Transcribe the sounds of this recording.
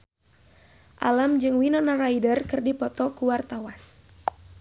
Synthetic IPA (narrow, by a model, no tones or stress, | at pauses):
ʔa̰lamd͡ʒɨŋwinɔnaraidərkɨrdipɔt̪ɔkuwart̪awan